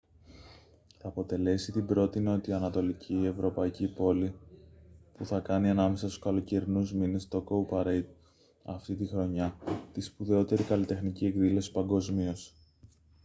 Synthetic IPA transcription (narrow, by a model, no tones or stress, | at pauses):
θɐːpo̞t̪e̞le̞sit̪ibɾo̞t̪ino̞t̪iɐnɐt̪o̞licʰiːe̞vɾo̞pɐicipo̞li | puθɐkɐniɐnɐme̞sɐst̪u̥skɐlo̞ce̞ɾinuzminest̪o̞koupɐɾeid̪̚ | ɐft̪it̪ixɾo̞ɲɐt̪ispuðe̞o̞t̪e̞ɾikɐlit̪e̞xnicie̞kðilo̞si̥pɐŋɡo̞zmio̞s